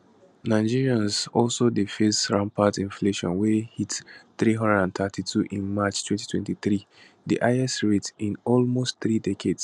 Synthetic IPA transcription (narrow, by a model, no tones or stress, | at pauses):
naɪd͡ʒiɹiãnzɔlsodefesɹãmpatĩnfleʃɔ̰̃nwɛhitθɹiɦʌ̃ndɛdãnt̪ʰatʰitʰuʔĩnmat͡ʃtʰwɛ̃nti̥tʰwɛ̃ntiθɹi | dḭʔaɪɛsɹitĩnɔlmostθɹidɛkʰeds